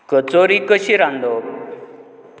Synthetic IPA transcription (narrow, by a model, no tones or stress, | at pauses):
kət͡soɾikəɕiɾãnd̪o